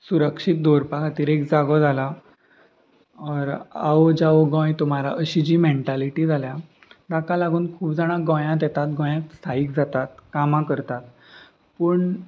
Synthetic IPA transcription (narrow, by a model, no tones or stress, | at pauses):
suɾəkʂit̪̚d̪oɾpakʰat̪iːɾekd͡zaɡod͡zʱala | ɔɾa̰ʋod͡ʑaʋoɡɔ̃jt̪um̤alaʔəɕid͡ʑiːmeɳʈaliʈiːd͡zʱalja | d̪akalaɡuːnkʰuːpd͡zaɽ̃aɡɔ̃jãt̪̬jɛt̪at̪ɡɔ̃jãkst̪ʰaiːk̚d͡zat̪at̪̚kamãkəɾt̪at̪ | pəɳ